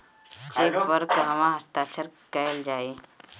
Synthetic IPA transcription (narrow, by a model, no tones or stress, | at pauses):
t͡ʃeːbəɾkɦɐmãɦɐst̪aːt͡ʃʰəɾkɐld͡ʒaːe